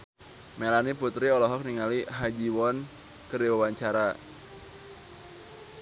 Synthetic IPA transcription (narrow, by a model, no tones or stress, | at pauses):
melaniput̪ɾiɔlɔɦɔk̚niŋaliɦad͡ʒiwɔn | kəɾiwawaɲt͡ʃaɾa